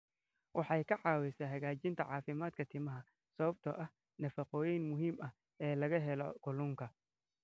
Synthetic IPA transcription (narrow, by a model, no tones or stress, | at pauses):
wʔɑħɑjkʰɐʕɑːwɛsaɦɐɣaːt͡ʃɪnt̪ʰɐ̰ʕɑːfɪmaːd̪̚kʰɐt̪ʰɪmɐɦɐ | sɐβɐb̚t̪ʰɐ̰ʔɐh | nɐfɑqɔːjɛjnmʊɦiːmɐh | ɛːlɐɣɐɦɛlɔɡʊlʊŋkʰɐ